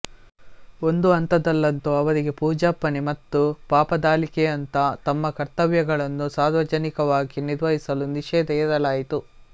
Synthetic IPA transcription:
o̞nd̪uɐnt̪ɐd̪ɐlːɐnt̪uɐʋɐɾiɡe̞puːd͡ʒaːpːɐnimɐt̪ːupaːpɐd̪aːlikɛjɐnt̪ɐt̪ɐmːɐkɐɾt̪ɐʋjɐɡɐɭɐnːusaːɾʋɐd͡ʒɐnikɐʋaːɡiniɾʋɐɦisɐluniʃɛːd̪ɐɐɾɐlaːjit̪u

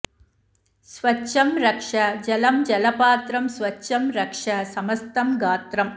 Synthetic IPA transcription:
sʋɐʃɐmɾɐkʂɐd͡ʒɐlɐmd͡ʒɐlɐpaːt̪ɾɐmsʋɐtːʃɐmɾɐkʂɐsɐmɐst̪ɐmɡaːt̪ɾɐm

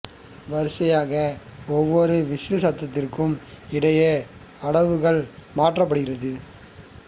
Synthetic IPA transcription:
ʋɐɾɯsɐjaːɣɐɔʋːɔɾɯʋɪsɯsɐt̪ːɐt̪ːɪrkɯmɪɽɐjɐ | ɐɽɐʋɯɣɐɭmaːʈrɐp̬ːɐɽɯɣɪɾɐðɯ

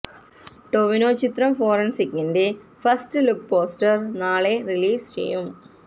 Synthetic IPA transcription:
ʈoʋinoːt͡ɕit̪ɾɐmfoːɾɐnsikːinde | fɐstɨluk̚poːsʈɐrnaːɭeriliːst͡ɕḛjum

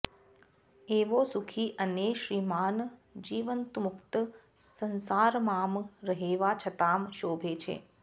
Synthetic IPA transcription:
eʋosukʰiʔəneʃɾiːmaːnd͡ʒiːʋənt̪mʊkt̪ | sənsaːɾmaːmɾəɦeʋat͡ʃʰət̪aːmʃoːbʱet͡ʃʰḛː

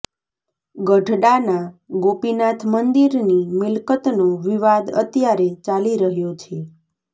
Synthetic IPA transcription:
ɡəʈɖanaɡopinat̪ʰmənd̪iɾnimɪlkət̪noʋiʋad̪ə̰t̪jaɾet͡ʃaliɾəɦjot͡ʃʰe

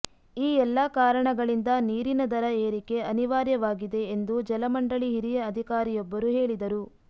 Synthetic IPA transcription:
iːɛlːɐkaːɾɐɳɐɡɐɭind̪ɐniːɾinɐd̪ɐɾɐeːɾike̞ɐniʋaːɾjɐʋaːɡid̪e̞ːnd̪ud͡ʒɛlɐmɐɳɖɐɭiɦiɾijɐɐd̪ʱikaːɾijɔbːɐɾuɦe̞ːɭid̪ɐɾu

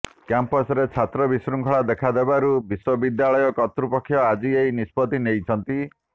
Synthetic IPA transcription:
kampɔsɾet͡ʃʰat̪ɾɔbisɾuŋkʰɔɭad̪ekʰad̪ebaɾubiswɔbid̪jaɭɔjɔkɔt̪ɾupɔkʰːjɔad͡ʒieinispɔt̪inejt͡ʃʰɔnt̪i

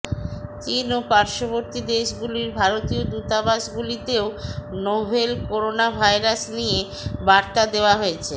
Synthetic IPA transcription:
t͡ɕinopaɾʃoβoɾt̪id̪eʃɡuliɾbʱaɾot̪iod̪ut̪abaʃɡulit̪eonobʱelkoɾonabʱajɾasnije | baɾt̪ad̪eoaɦoet͡ɕʰe

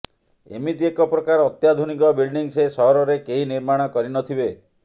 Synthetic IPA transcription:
ḛmit̪iekɔpɾɔkaɾɔːt̪jad̪ʱunikɔbilɖiŋsesɔɦɔɾɔɾekeɦiniɾmaɽ̃ɔkɔɾinɔt̪ʰibe

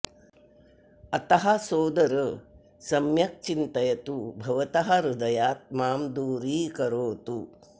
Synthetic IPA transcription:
ɐt̪ɐɦɐsoːd̪ɐɾɐ | sɐmjɐk̚t͡ʃint̪ɐjɐt̪ubʱɐʋɐt̪ɐɦɐɾud̪ɐjaːt̪̚maːmd̪uːɾiːkɐɾoːt̪u

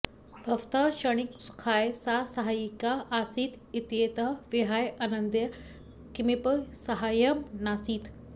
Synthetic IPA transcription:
bʱɐʋt̪ɐɕəɽ̃iksu̥kʰaːjsasɐɦajikaʔasiːt̪ | it̪jet̪ɐʋiɦajanɐnd̪jɐ | kimipəsɐɦajɐmnasiːt̪

